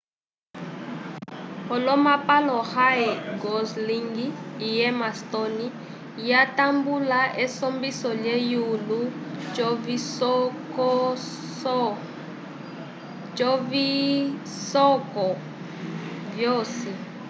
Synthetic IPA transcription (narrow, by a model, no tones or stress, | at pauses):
hɔlɔmapalɔhaɛɡɔzliŋɡiːjɛmastɔni | jatambulaʔɛsɔmbisɔlɛjulu | vi | d͡ʒɔvi | sɔkɔ | vjɔːsi